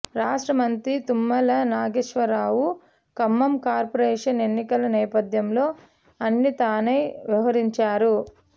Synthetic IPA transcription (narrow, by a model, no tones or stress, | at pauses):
ɾaːʂʈɾɐmɐnt̪ɾit̪umːɐlɐnaːɡeʂʋɐɾaːwu | kɐmːɐmkaːɾpɐɾɛːʂɐne̞nːikɐlɐnɛːpɐd̪ʱjɐmlo̞ː | ɐnːit̪aːnejʋiʋɐɾiɲt͡ʃaːɾu